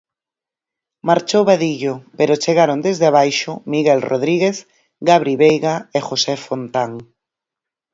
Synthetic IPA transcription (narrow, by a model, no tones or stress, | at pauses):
maɾt͡ʃowβaðiʎopeɾot͡ʃeɣaɾond̪ezðeaβajʃʊmiɣɛlroðɾiɣeθ | ɡaβɾiβejɣaexosefont̪aŋ